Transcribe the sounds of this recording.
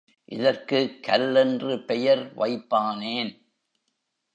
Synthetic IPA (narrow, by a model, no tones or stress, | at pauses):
ʔɪðɐrkɯkːɐlːɛndrɯpɛjɐɾʋɐɪpːaːneːn